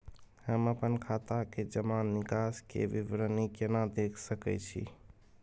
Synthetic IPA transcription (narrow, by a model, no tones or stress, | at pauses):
həməpənkʰat̪aked͡ʒəmanːikaskḛʋibɾənikenad̪ekʰsəkɛ̰t͡ʃʰḭ